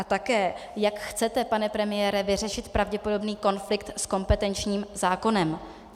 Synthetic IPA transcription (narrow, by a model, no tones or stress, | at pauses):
ʔat̪akɛːjakxt͡sɛt̪ɛpanɛpɾɛmɪjɛːɾɛvɪr̝ɛʃɪt̪pɾavɟɛpo̞do̞bniːko̞nflɪk̚t̪sko̞mpɛt̪ɛnt͡ʃɲiːmzaːko̞nɛm